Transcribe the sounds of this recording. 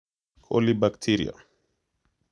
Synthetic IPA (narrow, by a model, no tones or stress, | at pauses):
kʰʼɔlibakt̪ʰiɾḭa̰